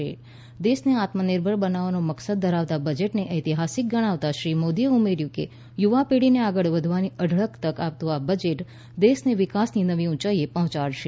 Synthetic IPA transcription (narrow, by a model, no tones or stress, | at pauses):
e | d̪esneat̪mənɪɾbʱəɭbənaʋanoməksəd̪̚ːʱəɾaʋt̪abəd͡ʒeʈneʔəjt̪iɦasik̚ɡəɽ̃aʋt̪aʃɾimod̪ieumeɾjũkḛ | juʋapeɽineaɡəɭʋəd̪ʱʋaniəɖʱɭəkt̪əkap̚t̪ũabəd͡ʒeʈ | d̪esneʋɪkasninəʋiũt͡ʃaiepɔɦɔ̃t͡ʃaɽʃe